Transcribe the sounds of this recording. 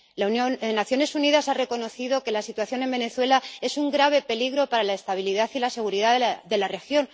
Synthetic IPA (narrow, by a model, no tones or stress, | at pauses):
lanjonnaθjo̞ne̞suniðasare̞ko̞no̞θiðo̞ke̞lasit̪waθjo̞ne̞mbe̞ne̞θwe̞lae̞suŋɡɾaβ̞e̞pe̞liɣɾo̞paɾalae̞st̪aβ̞iliðaθilase̞ɣ̞uɾiðaððe̞lare̞xjo̞n